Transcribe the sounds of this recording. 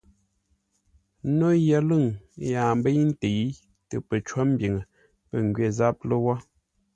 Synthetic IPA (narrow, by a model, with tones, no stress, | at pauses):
no˦jə˦lɨ˦˨ŋ˦ja˨m˦bə˦jn̩˦te˨˦ | tə˨pə˨t͡ʃwa˦m̩˦bji˨ŋə˨ | pə˨ŋ˨ɡɥe˦˨za˦p̚lə˦wa˦